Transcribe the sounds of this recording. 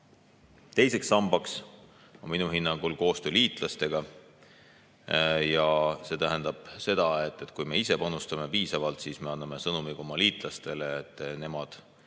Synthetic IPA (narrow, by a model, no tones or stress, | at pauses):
t̪e̞jse̞ksːɑmbɑks | onminuɦinːɑŋɡ̥ulko̞ːst̪øːliːt̪ˑlɑst̪e̞ɡ̥ɑ | jɑse̞t̪æɦænd̪̥ɑb̥se̞d̪̥ɑe̞t̪ːˑet̪ːˑkujme̞ise̞pɑnust̪ɑme̞piːsɑvɑlt̪sisme̞ɑnːɑme̞sɤnumiɡ̥o̞mɑliːt̪ˑlɑst̪e̞leːt̪ːˑne̞mɑd̪̥